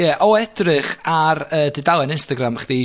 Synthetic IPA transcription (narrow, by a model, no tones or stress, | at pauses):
jɛʔɔɛdrɨχarəːdɪdalˠɛnɪnstaɡɾamχd̥i